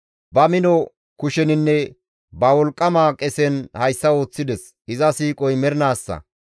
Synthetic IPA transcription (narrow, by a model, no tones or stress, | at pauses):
bɐmɪnɔ | kʊʃɛnɪnːɛ | bɐwɔlkʼːɐmaːkʼɛsɛnhɐjsːɐo̞ːt͡sːɪd̪ɛs | ɪzɐsiːkʼɔjmɛɾɪnaːsːɐ̰